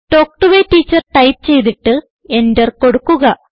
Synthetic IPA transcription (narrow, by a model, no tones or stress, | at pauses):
ʈo̞ːk̚ʈuʋeʈːiːt͡ɕːɐrʈɐjp̚t͡ɕe̞jt̪̬iʈːɨ | e̞ndɐrko̞ɽukːuɣɐ